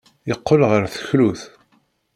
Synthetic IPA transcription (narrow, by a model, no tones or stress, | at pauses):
jəqːəlʁəɾθə̥çluθ